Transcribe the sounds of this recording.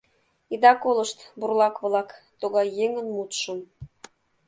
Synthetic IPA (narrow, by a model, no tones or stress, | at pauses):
id̪ɑkoləʃt̪burlɑkβlɑkt̪oɣɑjːeŋənmut̪ʃə̆m